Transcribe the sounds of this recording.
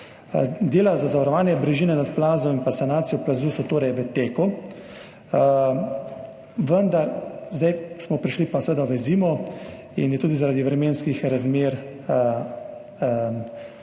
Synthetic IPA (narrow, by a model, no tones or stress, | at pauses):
d̪eːlazazaʋaɾɔʋaːnjɛbɾɛʒiːnɛnat̪plaːzɔinpasanaːt̪sijɔplazuːsɔt̪oːɾɛjʋət̪eːku | ʋənd̪aɾzd̪ajsmɔpɾiʃlipasʋeːd̪aʋɛziːmɔ | injɛt̪uːd̪izaɾaːd̪iʋɾɛmeːnskixɾazmeːɾ